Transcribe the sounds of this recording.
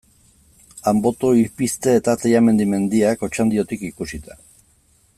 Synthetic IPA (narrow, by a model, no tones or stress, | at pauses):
ambo̞t̪oiɾpist̪e̞ːt̪at̪ejame̞nd̪ime̞nd̪iako̞t͡ʃand̪io̞t̪ikikusit̪a